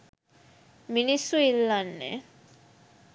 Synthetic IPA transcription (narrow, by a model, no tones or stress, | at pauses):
minisuilːanːɛ̰